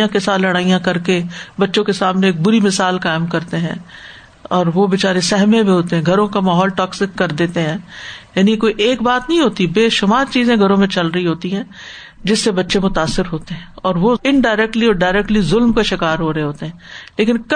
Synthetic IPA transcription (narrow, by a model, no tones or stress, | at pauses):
ãkesaːt̪lɐɽ̃aːijãkɐɾkebɐtːʃõkesaːmneːk̚bʊɾimɪsaːlkaːɪmkɐɾt̪eɦɛ̰̃ː | ɔːɾʋobɪt͡ʃaːɾesɛɦmẽbʱiɦoːt̪eɦɛ̃ɡʱɐɾõkamaːɦɔːlʈɔːksɪkːɐɾd̪eːt̪eɦɛ̃ːjaːnikoːiʔeːkbaːt̪nɐɦĩɦoːt̪ibeːʃʊmaːɾt͡ʃiːzẽɡʱɐɾõmẽt͡ʃɐlɾɐɦiɦoːt̪iɦɛ̃ː | d͡ʒɪsːebɐtːʃemʊt̪aːsːɪɾɦoːt̪eɦɛ̃ːɔːɾʋoɪnɖaːɪɾɛk̚ʈliɔːɖaːɾɛk̚ʈlizʊlmkaʃɪkaːɾɦoːɾɐɦeɦoːt̪eɦɛ̃ːleːkɪnk